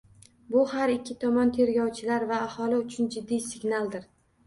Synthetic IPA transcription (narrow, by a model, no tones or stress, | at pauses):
bʊhaɾɪkʲʰːɪt̪ʰɒmɒnt̪ʰe̞ɾɡʲɒwt͡ʃʰɪlaɾvaːhɒlɪʊt͡ʃʰʊnd͡ʒɪd̪ːijsɪɡʲnalˠd̪ɪɾ